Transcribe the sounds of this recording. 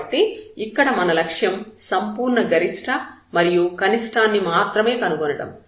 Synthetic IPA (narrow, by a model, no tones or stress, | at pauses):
ʈːiikːɐɽɐmɐnɐlɐkʂjɐmsɐmpuːɾɳɐɡɐɾiʂʈʰɐmɐɾijukɐniʂʈaːnːimaːt̪ɾɐme̞ːkɐnukonɐɽɐ̰m